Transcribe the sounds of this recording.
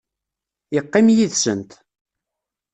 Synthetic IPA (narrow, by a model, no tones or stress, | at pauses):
ɪqːɪmjiðsənt̪